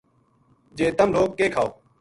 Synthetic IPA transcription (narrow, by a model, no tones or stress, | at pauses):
d͡ʒẽːt̪əmloːkːeːkʰaːoː